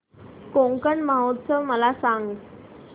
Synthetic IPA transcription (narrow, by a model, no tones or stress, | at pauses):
koŋkəɳmaɦot̪səʋməlasaŋɡ